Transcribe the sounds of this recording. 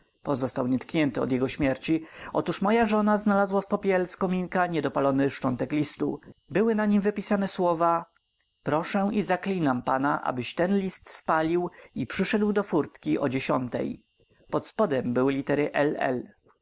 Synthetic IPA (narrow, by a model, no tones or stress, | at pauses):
pɔzɔst̪awɲɛt̪kɲɛnt̪ɘɔ̰d̪jɛɡɔɕmʲjɛɾt͡ɕiɔt̪uʂmɔjaʐɔnaznalazwafpɔpʲjɛlskɔmʲiŋkaɲɛd̪ɔpalɔnɘʂt͡ʂɔnt̪ɛklʲist̪ṵbɘwɘnaɲimvɘpʲisanɛswɔva | pɾɔʂɛ̃izaklʲinampanaʔa̰bɘɕt̪ɛnlʲist̪spalʲiwipʂɘʂɛd̪wd̪ɔfuɾt̪kʲiʔɔd͡ʑeɕɔnt̪ɛ̰j | pɔt̪spɔd̪ɛmbɘwɘlʲit̪ɛɾɘʔɛlɛ̰l